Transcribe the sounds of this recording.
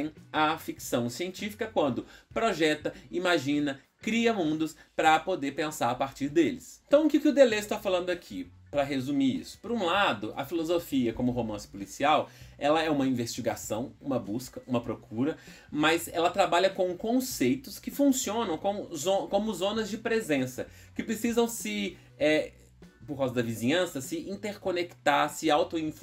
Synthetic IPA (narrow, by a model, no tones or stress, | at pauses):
j̃ɐfiksɐ̃w̃siẽnt͡ʃifi̥kɐkwɐ̃nd̪ʊpɾoʒɛt̪ɐimaʒĩnɐ | kɾiɐmũnd̪ʊspɾɐpod̪eɾpẽsaɾɐpaɾt͡ʃiɾd̪elɪst̪ɐ̃w̃ʊkiʊkɪʊd̪elest̪afalɐ̃nd̪ʊakʰḭ | pɾɐɦezumiḭsʊ̥poɾũlad̪ʊʔɐ̰filozofiɐkõmʊɦomɐ̃sɪ̥polisiawɛlɐɛũmɐĩvest͡ʃiɡa̰sɐ̃w̃ṵ̃mɐbuskɐũmɐpɾokuɾɐ | mɐzɛlɐt̪ɾabaʎɐkõw̃kõsejt̪ʊskɪfũsiõnɐ̃w̃kõw̃zokõmʊzõnɐzd͡ʒɪpɾezẽsɐ | kɪpɾesizɐ̃w̃sɪ | ɛ | pʊɾkawzɐd̪ɐvizĩɲɐ̃sɐsɪĩnt̪eɾkonekt̪aɾsɪawt̪oĩf